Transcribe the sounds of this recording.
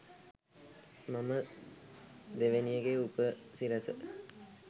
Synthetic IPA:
mamə | d̪eʋenijəɡeupəsiɾɐsə̰

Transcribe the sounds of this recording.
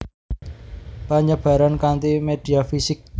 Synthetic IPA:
paɲab̥a̤ɾankant̪imed̪̥i̤afisɪk̚

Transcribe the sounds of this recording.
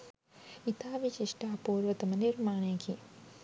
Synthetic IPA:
it̪ʰaːʋit͡ʃiʂʈaːpuːɾʋɐt̪ɐmɐniɾmaːɳeːki

